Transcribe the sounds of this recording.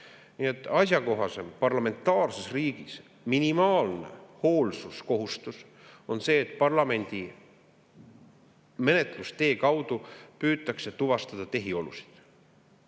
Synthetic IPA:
nie̞t̪ˑːɑsʲjɑko̞ɦɑse̞mpɑrlɑme̞nt̪ːˑɑːrse̞sriːɡ̥is | minimɑːlne̞̰ho̞ːlsusko̞ɦust̪us | o̞nse̞ːt̪ːˑpɑrlɑme̞nʲd̪̥i | me̞ne̞t̪ˑlust̪e̞ːkɑwd̪̥upyːt̪ːˑɑkset̪uvɑst̪ɑd̪̥ɑt̪e̞ɦio̞lṵsi̥d̪̥

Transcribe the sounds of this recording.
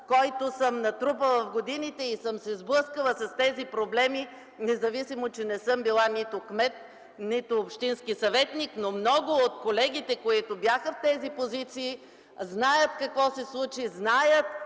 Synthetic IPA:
kɔjt̪ʊsəmnɐt̪ɾup̬əlˠəfɡod̪init̪ɛisəmsɛzblˠɤskəlˠəsɐst̪ɛzipɾoblɛmi | nɛzɐvisimot͡ʃɛnɛsɤmbilˠanit̪ʊkmɛt̪̚ | nit̪ʊːpʃt̪inskisɐvɛt̪niknomnɔɡʊot̪kolɛɡ̟it̪ɛkoit̪ʊbʲjaxəft̪ɛzipozit̪siː | znajət̪kɐkvɔsɛslˠut͡ʃiznajət̪̚

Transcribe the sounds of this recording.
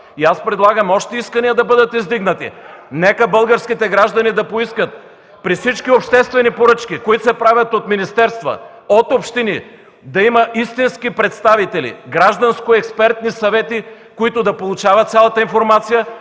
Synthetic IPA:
iaspɾɛd̪lˠaɡəmɔʃt̪ɛiskəniəd̪ɐbəd̪ət̪izd̪iɡnət̪ḭnɛkəbɤlˠɡəɾsk̟it̪ɛɡɾaʒd̪ɐnid̪ɐpoiskət̪̚ | pɾifsit͡ʃkiopʃt̪ɛst̪vɛnipoɾɤt͡ʃk̟ʲikoit̪osɛpɾavʲɐt̪ot̪minist̪ɛɾst̪və̰ | ot̪opʃt̪ini | d̪ɐimɐʔist̪inskipɾɛt̪st̪avit̪ɛlḭɡɾaʒd̪ɐnskoɛkspɛɾt̪nisɐvɛt̪i | koit̪ʊd̪ɐpolˠut͡ʃavɐt̪sʲjalˠɐt̪əinfoɾmat̪sijə

